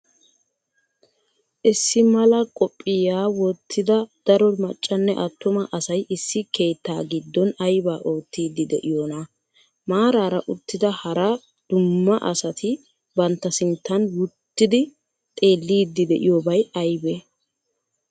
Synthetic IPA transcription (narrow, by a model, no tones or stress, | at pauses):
ʔɪsːɪmɐlɐkʼɔpʼːɪjaːwɔt̪ʰːɪd̪ɐd̪̥ɐɾɔmɐt͡ʃʼːɐnːɛʔɐt̪ːʊmɐʔɐsɐjʔɪsːɪkʰe̞ːt̪ːaːɡɪd̪ːɔnɐjbaːʔoːt̪ːiːd̪ːɪd̪ɛʔɪjoːnɐ | maːɾaːɾɐʔʊt̪ːɪd̪ɐhɐɾɐ | d̪̥ʊmːɐʔɐ̰sɐt̪ɪ | bɐnt̪ːɐsɪnt̪ːɐnwʊt̪ːɪd̪ɪ | t̪ʼe̞ːlːiːd̪ːɪd̪ɛʔɪ̰joːbɐjɐjbɛ